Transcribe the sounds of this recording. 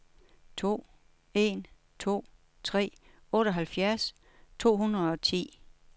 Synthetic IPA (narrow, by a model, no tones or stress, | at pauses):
t͡sʰo̝̰ː | e̝n | t͡sʰo̝̰ː | t͡sʰʁɛ̰ː | ɔ̽ːɾɒ̽ɦælfjæɐs | t͡sʰo̝̰ːɦunɐɒ̽t͡sʰḭː